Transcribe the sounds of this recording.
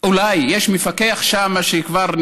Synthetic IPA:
ulajːeʃmefakeaχʃamaʃekvaʁn

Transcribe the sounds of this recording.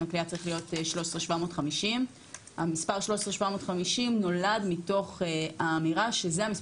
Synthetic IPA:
akliat͡saʁiχlijo̞tʃlo̞sʁeʃvamo̞ːtχamiʃim | ha̰mispaʁʃlo̞ʃsʁeʃvamo̞tχamiʃimno̞ladmito̞χeaːmiʁaʃe̞zeamis

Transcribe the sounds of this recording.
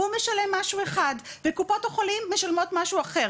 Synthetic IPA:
umeʃale̞mːaʃueχadvekupo̞taχolimːeʃalmo̞tmaʃuaχe̞ʁ

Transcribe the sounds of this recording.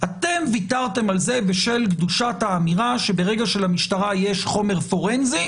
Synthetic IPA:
at̪e̞mvitaʁt̪e̞malze̞beʃe̞lkduʃathaːmiʁaʃe̞be̞ʁe̞ɡaʃe̞lamiʃtaʁaje̞ʃχo̞me̞ʁfo̞ʁenzi

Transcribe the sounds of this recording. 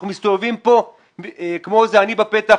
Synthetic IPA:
umist̪o̞vevimpo̞ | kmo̞zeanibapet̪a

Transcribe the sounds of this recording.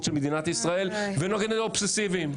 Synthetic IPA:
ʃelmed̪inat̪isʁaelvenoɡenelopsesivim

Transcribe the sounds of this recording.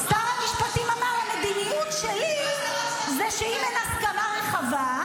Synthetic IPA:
st̪amhamiʃpat̪imamaʁamed̪inijutʃeli | zeʃeimenaχtkamaʁeχava

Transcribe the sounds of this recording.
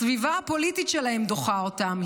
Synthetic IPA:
vivaapo̞lit̪itʃelahemd̪o̞χao̞tamh

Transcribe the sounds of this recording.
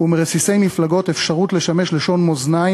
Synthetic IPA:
umeʁesise̞jmiflaɡo̞t̪efʃaʁut̪le̞ʃameʃle̞ʃo̞nmo̞znaj

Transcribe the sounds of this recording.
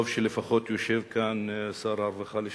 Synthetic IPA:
vʃelefaχo̞t̪joʃevkansaɾaɾvaχale

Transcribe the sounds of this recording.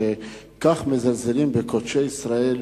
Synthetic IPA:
e | kaχmezalzelimbekot̪ʃeisɾael

